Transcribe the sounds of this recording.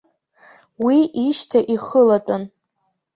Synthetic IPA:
wiiʃtʰaʔiχəlat͡pʼan

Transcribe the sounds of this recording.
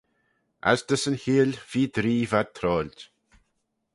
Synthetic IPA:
ʔa̰zd̪əsənhiːlv̥iːd̪ɾiːvad̪̚t̪ʰɾɔːlʲt̪

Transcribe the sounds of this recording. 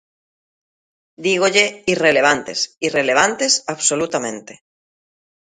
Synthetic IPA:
d̪iɣoʎeireleβ̞ant̪esireleβ̞ant̪esaβsolut̪amẽnt̪e

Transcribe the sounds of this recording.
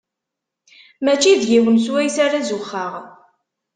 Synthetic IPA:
mæt͡ʃːiðjiwəns̬wæjsaɾazʊχːəʁ

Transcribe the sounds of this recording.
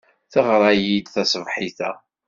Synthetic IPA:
θəʁɾˤɑjid̪θæsəvħiθæ

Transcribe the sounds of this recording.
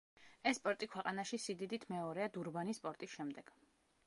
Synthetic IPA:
ɛsːpʼɔɾt̪ʼikʰwɛqʼanaʃisid̪id̪it̪ʰmɛɔɾɛad̪uɾbanispʼɔɾt̪ʼisʃɛmd̪ɛɡ̥

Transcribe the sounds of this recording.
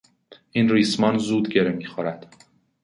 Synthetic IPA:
ʔiːnriːsmɒnzuːd̪ɡeɾemiːxoɾæd̪̥

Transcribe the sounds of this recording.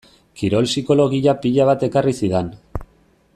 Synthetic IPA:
kiɾo̞lsiko̞lo̞ɣiʎapiʎaβ̞at̪e̞karisiðen

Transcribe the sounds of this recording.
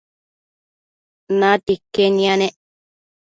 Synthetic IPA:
nãt̪ikːenĩãnẽʔ

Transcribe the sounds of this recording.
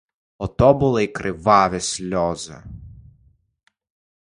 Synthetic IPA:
ɔt̪ɔbʊlˠɪikɾʔɪʋɑʋʲɪsʲlʲɔzɐ̰

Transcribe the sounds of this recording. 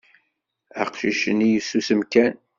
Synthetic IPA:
æ̰qʃiʃənijəsːusəmkæn

